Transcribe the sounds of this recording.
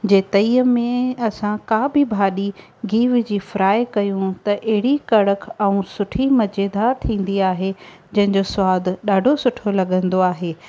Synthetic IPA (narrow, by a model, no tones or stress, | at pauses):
d͡ʑeːt̪ɐiːəmẽɐsãkabʱɪbʱaːɗi | ɡʱiːʋd͡ʑiːfɪɾaːekɐjũt̪ɐʔɐɦɪɽikɐɽəkʰɛ̃ũsʊʈʰimɐd͡ʑeːd̪aːɾt̪ʰĩːn̆d̪iaːɦed͡ʑɐ̃ɦɪ̃ɲd͡ʑoswaːd̪ʱɗaːɖʱosʊʈʰolɐɠə̃nd̪oaːɦeː